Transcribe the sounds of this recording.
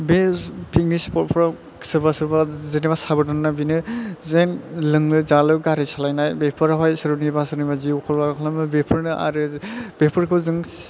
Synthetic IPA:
bepʰik̚nispɔt̚pʰɾɔ | sɯɾbasɯɾbazenibasabɯdɔnnabinɯzenlɯŋlɯzalɯɡaɾisalajnajbepʰɯɾaɦɔjsɯɾɯnibasɯɾnimaziukʰɔlbaɾkʰlamɯbepʰɯɾnɯʔa̰ɾɯbepʰɯɾkʰɯwzɯŋ

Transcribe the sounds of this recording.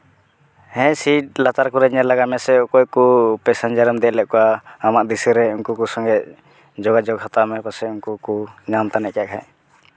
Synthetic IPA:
hɛ̃siʈ̚lat̪aɾkɔɾɛɲɛlaɡamɛsɛɔkɔkupɛsɛnd͡ʒaɾmd̪ɛlɛʔ̚kɔwaːmaʔd̪isɛɾɛunkukusɔŋɡɛʔ | d͡ʒɔɡad͡ʒɔɡɦat̪amɛkɔsɛunkukuɲamt̪anɛʔkaʔkʰaj

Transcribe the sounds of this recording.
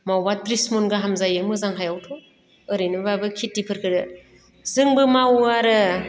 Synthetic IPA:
mawbatɾismɔnɡaɦamzajɯmɯzaŋɦajawtʰɔ | ɯɾɯjnɯbabɯkʰitːipʰɯɾkʰɯdɯ | zɯŋbɯmawaɾɯ

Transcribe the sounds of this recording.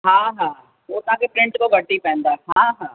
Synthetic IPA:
ɦãːɦãː | oːt̪ãːkepɾɪ̃ɳʈkoɡəʈːipɛ̃ːnd̪aːɦãːɦãː

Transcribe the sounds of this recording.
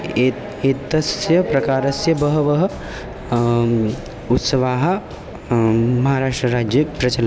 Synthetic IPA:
e | eːt̪ɐsjɐpɾɐkaːɾɐsjɐbɐɦɐʋɐɦɐ | ut̪sɐʋaːɦɐ̆ | mɐɦaːɾaːʂʈɾɐɾaːd͡ʒjɐpɾɐt͡ʃɐlɐ

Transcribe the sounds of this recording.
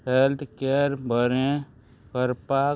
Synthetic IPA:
helt̪ʰkeɾbʱəɾẽ | kəɾpa

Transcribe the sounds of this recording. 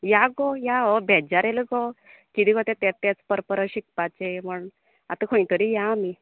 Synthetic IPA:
jaɡojaɔbʱɛd͡ʑaɾelɡɔkid̪iɡɔt̪ẽt̪ɛt̪ːɛt͡spəɾpəɾəɕik̚pat͡ɕeməɳ | a̰t̪əkʰojĩt̪əɾijaːmi

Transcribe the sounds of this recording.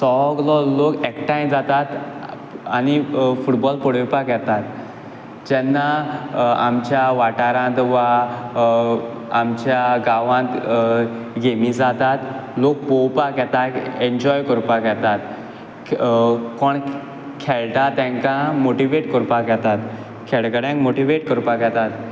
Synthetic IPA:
sɔɡlɔlokɛkʈãjd͡zat̪at̪ | añifuʈbɔlpəɽepakɛt̪at̪ | d͡ʑɛnːa | a̰mt͡ɕjaʋaʈaɾãt̪ʋa | amt͡ɕjaɡaʋãt̪ | ɡemid͡zat̪at̪lok̚powpakɛt̪aeɲd͡ʑɔjkəɾpakɛt̪at̪ | kɔɳ | kʰɛɭʈ̪at̪ɛ̃ŋkãmoʈiʋeʈkəɾpakɛt̪at̪ | kʰɛɭkəɽjãŋkmoʈiʋeʈkəɾpakɛt̪at̪

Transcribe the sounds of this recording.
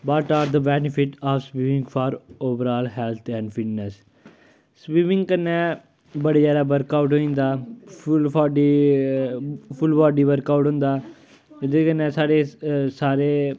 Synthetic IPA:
baʈaːɾd̪əbɛːnɪpʰɪʈɔːʋspiːmɪ̃ŋɡfʰɔːɾoːʋəɾɔːlɦɛlt̪ʰɛ̃ːɳɖfɪʈnəs | spiːmɪ̃ŋɡkənːɛ̃ː | bəɽeːd͡ʒaːd̪aːbəɾkaːuʈɦoːĩːnd̪aːlɔːɖi | pʰʊlbɔːɖiːbəɾkaːuʈɦõːnd̪aː | ɪd̪eːkənːɛ̃ːsaːɾeːsaːɾeː

